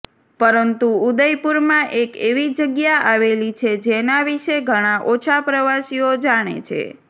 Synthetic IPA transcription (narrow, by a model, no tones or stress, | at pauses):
pəɾənt̪uːd̪əjpuɾmãʔekeʋid͡ʒəɡjaʔaʋelit͡ʃʰed͡ʒenaʋiʃeɡʱəɽ̃aʔot͡ʃʰapɾəʋasiod͡ʒaɽ̃ḛt͡ʃʰḛ